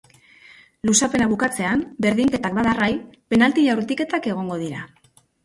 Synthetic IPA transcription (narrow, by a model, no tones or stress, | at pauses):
lusape̞naβukat͡se̞ambe̞ɾðiŋke̞t̪ak̚baðarajpe̞nalt̪iʎawɾt̪ike̞t̪ake̞ɣ̞o̞ŋɡo̞ð̞iɾa